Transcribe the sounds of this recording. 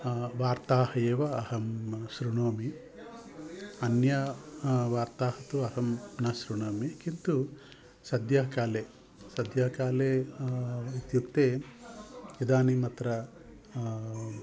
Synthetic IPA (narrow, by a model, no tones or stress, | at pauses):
ʋaːɾt̪aːhɐjeːʋɐːhɐmʃɾuɳoːmi | ɐnjɐʋaːɾt̪aːhɐt̪uɐɦɐmnɐʃɾuɳoːmikint̪u | sɐd̪jɐɦɐkaːleː | sɐd̪jɐɦɐkaːleː | ʋit̪jukt̪eː | id̪aːnimɐt̪ɾɐ